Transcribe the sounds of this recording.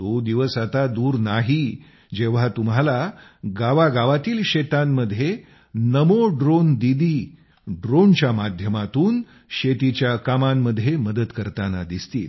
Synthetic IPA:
t̪od̪iʋəsat̪ad̪uːɾnaɦi | d͡ʑeʋ̤at̪umɦalaɡaʋaɡaʋat̪iːlɕet̪amːəd̪ʱːje | nəmoɖɾond̪id̪iː | ɖɾont͡ɕjamad̪ʱjəmat̪uːn | ɕet̪it͡ɕjakamamːəd̪ʱːjeməd̪əd̪kəɾt̪anad̪ist̪ḭːl

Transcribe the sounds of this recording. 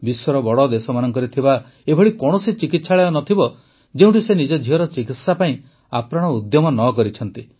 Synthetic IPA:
biswɔɾɔbɔɽɔd̪esɔmanɔŋkɔɾit̪ʰiba | ebʱɔɽikɔɽ̃ɔsit͡ʃikit̪saɭeɔnɔt̪ʰibɔ | d͡ʒeũʈisenid͡ʒɔd͡ʒʱiɦɔɾɔt͡ʃikit̪sapaĩ | apɾaɽ̃ɔud̪jɔmɔnɔkɔɾit͡ʃʰɔnt̪i

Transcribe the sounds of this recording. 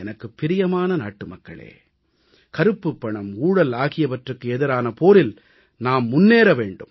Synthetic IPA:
ɛnɐkːɯpːɪɾɪjɐmaːnɐna̰ːʈːɯmɐkːɐɭḛː | kɐɾɯpːɯpːɐɳɐmuːɽɐlaːɣɪjɐʋɐʈrɯkːɯɛðɪɾaːnɐpoːɾɪl | naːmːʊnːeːɾɐʋeːɳɖɯm

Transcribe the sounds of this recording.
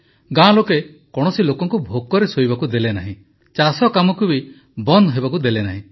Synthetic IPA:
ɡãloke | kɔɽ̃ɔsilokɔŋkubʱok̚kːɔɾesojbakud̪elena̰ɦĩ | t͡ʃasɔkamɔkubi | bɔnd̪ɦebakud̪elenaɦĩ

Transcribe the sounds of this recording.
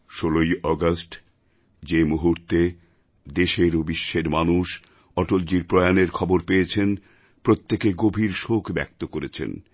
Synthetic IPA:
ʃolojɔɡasʈ | d͡ʑemuɦuɾt̪e | d̪eʃeɾobiʃːeɾmanuʃ | ɔʈold͡ʑiɾpɾɔeaneɾkʰɔboɾpeet͡ɕʰen | pɾot̪ːekeɡobʱiɾʃokʰbɛ̰k̚t̪okoɾet͡ɕʰḛn

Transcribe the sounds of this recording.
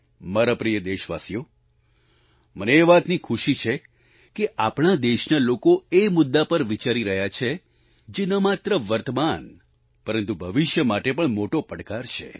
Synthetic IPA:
maɾapɾijəd̪eʃʋasijo | məneːʋat̪nikʰuʃit͡ʃʰe | keʔapɳ̃ad̪eʃnalokoemʊd̪ːapəɾʋit͡ʃaɾiɾəɦjat͡ʃʰe | d͡ʒenəmat̪ɾəʋəɾt̪əman | pəɾənt̪ubʱəʋɪʃjəmaʈepəɳmoʈopəɽkaɾt͡ʃʰḛ

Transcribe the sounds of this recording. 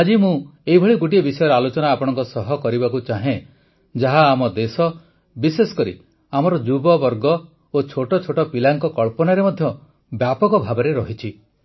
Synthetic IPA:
ad͡ʒimũeɦibʱɔɭiɡuʈ̬iebisɔjɔɾalot͡ʃɔnaːpɔɽ̃ɔ̃ŋkɔsɔɦɔkɔɾibakut͡ʃaɦẽ | d͡ʒaɦaːmɔd̪esɔ | bisesɔ̥kɔɾḭ | amɔɾɔd͡ʒubɔbɔɾɡɔ | ot͡ʃʰoʈɔt͡ʃʰoʈɔpilaŋkɔkɔɭpɔnaɾemɔd̪ʱjɔ | bjapɔkɔbʱabɔɾeɾɔɦit͡ʃʰi

